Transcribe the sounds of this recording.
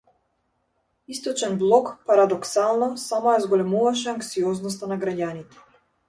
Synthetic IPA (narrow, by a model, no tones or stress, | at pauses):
ist̪ɔt͡ʃɛnblˠɔkpaɾad̪ɔksalˠnɔsamɔjazɡɔlɛmuvaʃ̬ɛaŋksiɔznɔs̬t̪anaɡɾaɟanit̪ɛ̥